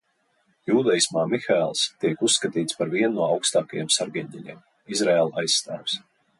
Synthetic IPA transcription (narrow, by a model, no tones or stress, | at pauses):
juːd̪ɛjismaːmixaɛlˠst̪iɛkusːkat̪iːt̪spaɾviɛnːuɔawkst̪aːkajɛ̰msaɾɡɛɲʲt̪ʲɛlʲɛ̰ːm | izɾɛːlˠajsːt̪æːws